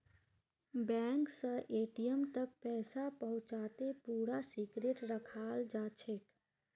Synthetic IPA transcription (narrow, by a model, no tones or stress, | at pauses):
bɛŋksə̃ʔeʈijəmt̪ək̚pɛːsapəɦũt͡ʃat̪epuɾasikɾeʈɾəkʰald͡ʒat͡ʃʰek